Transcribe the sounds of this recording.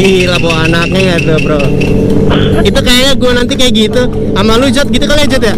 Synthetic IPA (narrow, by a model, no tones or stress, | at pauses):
ilaboanak̚ɲaŋɡadɔpɾɔ | it̪ukajaɲaɡuanant̪ikajaʔɡit̪u | amalud͡ʒɔt̪̚ɡit̪ukalad͡ʒɔt̪ja